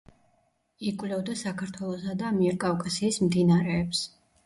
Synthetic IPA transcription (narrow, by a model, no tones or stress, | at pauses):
ikʼwlɛvd̪asakʰaɾt̪ʰwɛlˠɔsad̪amiɛɾkʼavkʼasiːsmd̪inaɾɛːps